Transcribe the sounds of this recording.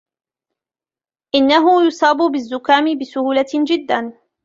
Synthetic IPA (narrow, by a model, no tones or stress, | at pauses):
ʔɪnːaɦʊjʊsˤɑːbʊbɪzːʊkaːmɪbɪsʊhuːlad͡ʒɪd̪ːan